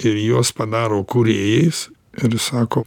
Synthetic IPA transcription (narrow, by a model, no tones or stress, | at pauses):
ɪɾjuːspɐd̪ɑːɾoːkuɾʲeːjɛs | ɪɾsɑːkoː